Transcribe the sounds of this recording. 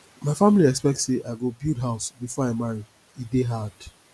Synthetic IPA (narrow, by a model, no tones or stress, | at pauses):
maɪfamiliɛkspɛk̚tseʔaɪɡobildɦaʊsbifɔaɪmaɹi | ideɦad̥